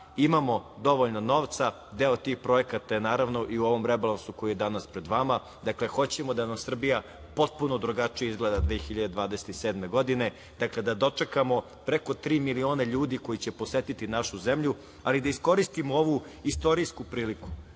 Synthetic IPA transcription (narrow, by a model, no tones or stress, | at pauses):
imamo̞d̪o̞ʋo̞ʎnono̞ːʋt̪sa | d̪eot̪ixpɾo̞ekat̪ajenaːɾaʋno̞ʔiuo̞ʋo̞mɾebalˠansuko̞jijed̪anaspɾe̞d̪ʋama | d̪akle̞xo̞t͡ɕemod̪anamsr̩bija | po̞t̪̚punod̪ɾuɡat͡ʂijeizɡled̪ad̪ʋeːxiʎad̪e̞d̪ʋaːd̪e̞set̪iseːd̪me̞ɡo̞d̪ine̞ | d̪̥akle̞d̪ad̪o̞t͡ʂe̞kamo̞ | pɾekot̪ɾiːmilio̞ːneʎuːd̪iko̞jit͡ɕepo̞set̪it̪inaʃuze̞mʎu | alid̪aisko̞ɾist̪imooʋu | ist̪o̞ɾiːskupɾiːliku̥